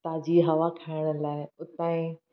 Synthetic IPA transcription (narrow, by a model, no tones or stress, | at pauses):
t̪aːd͡ʑiɦɐʋakʰaɪɽ̃ə̆laːɪʊt̪ãːĩ